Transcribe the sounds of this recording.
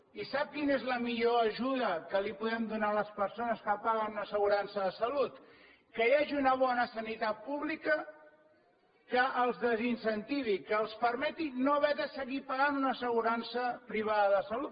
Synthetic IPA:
isap̚kinezləmiʎoəʒuðəkəlipuðɛmd̪unaləspəɾsonəskəpaɣənunəsəɣuɾansəðəsəlut̪ | kəjaʒiunəβ̞ɔnəsənit̪at̪̚puβlikə | kəʔəlˠzðəzinsənt̪iβikəːlˠspəɾmɛt̪inoəβɛðəsəɣipaɣanunəsəɣ̞uɾansəpɾiβ̞aðəðəsəlut̪

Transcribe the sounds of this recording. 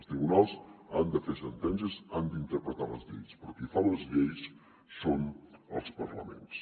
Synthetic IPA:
st̪ɾiβunalˠzand̪əfesənt̪ɛnsəzand̪int̪əɾpɾət̪aləzʎejspəɾkifalozʎejs | sonə̰lˠspəɾlə̰mḛns

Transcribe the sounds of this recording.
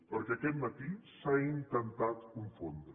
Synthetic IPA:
pəɾkɛːkɛt̪mət̪isaint̪ənt̪at̪kuɱfond̪ɾ

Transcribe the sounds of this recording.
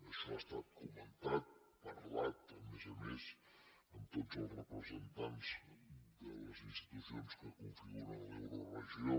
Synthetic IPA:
əʃɔast̪at̪̚kumənt̪at̪̚ | pəɾlat̪əmezəmes | əmt̪ozəlˠrəpɾəzənt̪anzd̪ələzinst̪i̥t̪usionskəkuɱfiunənlewɾərəʒio

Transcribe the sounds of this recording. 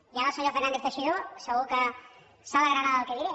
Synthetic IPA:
jaɣasojofenand̪eɾt̪eʃiðuseɣuka | saβaɾɾaɾaðawkeðiɾe

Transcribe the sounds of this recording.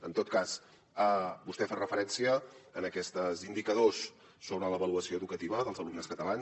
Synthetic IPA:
ənt̪ot̪̚kas | əbust̪ɛfarəfəɾɛnsiəːnəkɛst̪əzind̪ikəðosː | onələβəluəsioəðukət̪iβəðəlˠzəlumnəskət̪əlan

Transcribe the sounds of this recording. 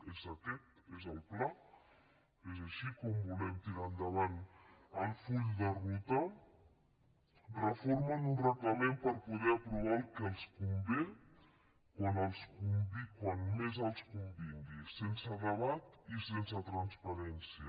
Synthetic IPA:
ɛzakɛt̪ezalpla | ezaʃikɔmbulɛmt̪iɾand̪aβanəlˠfuʎd̪ərut̪a | rəfoɾmanunraklamempəɾpuðɛapɾuβalkalˠskumbe | kwanalˠskumbikwanmezalˠskumbind̪isensaðəβat̪isensət̪ɾanspaɾɛnsijə

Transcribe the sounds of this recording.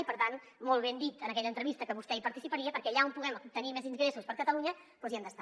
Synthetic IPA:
ipəɾt̪an | mɔlˠβ̞end̪it̪ənəkɛʎəːnt̪ɾəβist̪əkəβ̞ust̪ɛipəɾt̪isipəɾiəpəɾkɛʎaumpuɣɛmup̚t̪ənimɛziŋɡɣɾesuspəɾkət̪əluɲə | pɔziɛmd̪əst̪a

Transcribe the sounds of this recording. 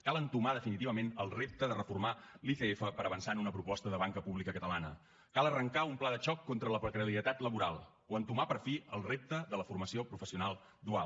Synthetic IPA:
kalˠənt̪umaðəfinit̪iβəmenəlˠrep̚t̪əðərəfurmaliθeefəpəɾəβənsanunəpɾupɔst̪əðəβ̞aŋkəpuβlikəkət̪əlanə | kalˠərəŋkaumplaðəʒɔkːont̪ɾələpɾəkɾəliət̪at̪ləβuɾalˠ | oənt̪umapəɾfiəlˠrep̚t̪əðələfurməsiopɾufəsiunalˠ | d̪ual

